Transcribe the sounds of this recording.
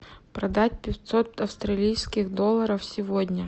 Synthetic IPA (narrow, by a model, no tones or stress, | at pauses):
pɾɐd̪atʲpʲɪt̪ʲsot̪ɐfst̪ɾɐlʲijskʲɪxd̪olˠːɐɾəfsʲɪvodʲnʲə